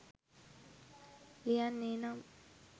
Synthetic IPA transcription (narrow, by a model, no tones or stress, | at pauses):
lijanːenam